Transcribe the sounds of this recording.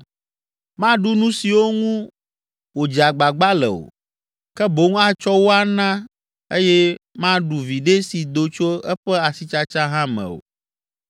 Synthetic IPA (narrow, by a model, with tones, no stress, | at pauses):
mã˦ɖu˦nũ˦si˨wo˦ŋũ˦ | wo˨d͡ʒa˨ɡ͡ba˨ɡ͡ba˦lɛ̰˨o̰˨ | kɛ˦bo˨˦ŋũ˦a˦t͡ʃɔ˦wo˦a˨nã˦ | e˦jɛ˦mã˦ɖu˨vi˨ɖe˦si˨d̪o˨t͡ʃo˦ɛ˦ɸɛ˦a˨si˦t͡ʃa˦t͡ʃã˦ɦã˦mɛ̰̃˨o̰˨